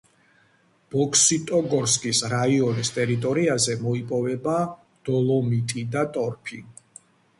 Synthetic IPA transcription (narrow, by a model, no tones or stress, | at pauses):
b̥ɔkʰsit̪ʼɔɡɔɾskʼisɾaiɔnist̪ʼɛɾit̪ʼɔɾiazɛmɔipʼɔvɛba | d̪̥ɔlˠɔmit̪ʼid̪at̪ʼɔɾpʰi